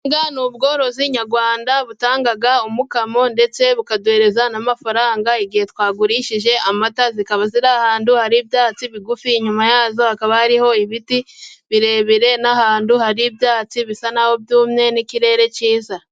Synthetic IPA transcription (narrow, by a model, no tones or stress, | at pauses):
ŋɡanuːβɡo̞ːɾo̞ziɲaɾɡwaːndaβutaːŋɡaɡaomukamo̞nde̞t͡se̞βukadwe̞ːɾe̞zanamafaɾaːŋɡaiɡihe̞twaːɡuɾiːʃiʒe̞amatazikaβaziɾahaːnduhaɾiːbjaːt͡siβiɡufiːɲumajaːzo̞hakaβahaɾiho̞iβitiβiɾe̞ːβiɾe̞nahaːnduhaɾiːbjaːt͡siβisanaho̞bjuːmɲe̞niciɾe̞ːɾe̞ciːza